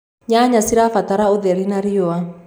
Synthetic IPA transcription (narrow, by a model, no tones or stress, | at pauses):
ɲaɲasiɾafat̪aɾaoðɛɾinaɾiɔa